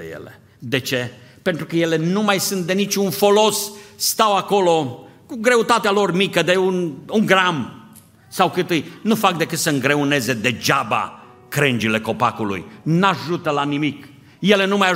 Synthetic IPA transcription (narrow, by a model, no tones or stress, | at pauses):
ḛjḛlḛ | d̪e̞t͡ʃe̞ | pe̞nt̪ɾukəje̞le̞numajsunt̪̚d̪e̞nit͡ʃʲunfo̞lo̞sːt̪awako̞lo̞ | kuɡɾe̞ut̪at̪ealo̞rmikəd̪e̞unuŋɡɾam | sawkɨt̪ɨjnufak̚d̪e̞kɨt̪səɨŋɡɾe̞une̞ze̞d̪e̞d͡ʒaba̰ | kɾɨnd͡ʒile̞ko̞pakulṵjnaʒut̪əlanimik | je̞le̞numaja